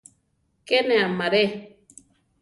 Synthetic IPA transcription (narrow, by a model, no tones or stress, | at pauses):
kɛneamaɾɛ